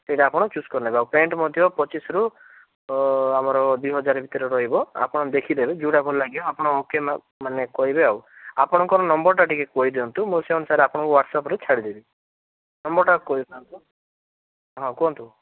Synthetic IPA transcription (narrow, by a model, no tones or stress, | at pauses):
sejʈaːpɔɽ̃ɔt͡ʃuskɔɾnaebeawpeɳʈmɔd̪ʱjɔpɔt͡ʃisɔɾu | amɔɾɔd̪uiɦɔd͡ʒaɾɔbʱit̪ɔɾeɾɔɦibɔa̰pɔɽ̃d̪ekʰid̪ebed͡ʒuɽakɔɾlaɡiɔapɔɽ̃ɔokem | manekɔɦibeaw | apɔɽ̃ɔŋkɔɾɔnɔmbɔɾʈaʈikekɔɦid̪eɔnt̪ũmuseɦɔnsaɾeapɔɽ̃ɔ̃kuwaʈsapɔɾet͡ʃʰaɽid̪ebi | nɔmbɔɾʈakɔɦid̪ɔnt̪u | ɦɔ̃kuɔnt̪u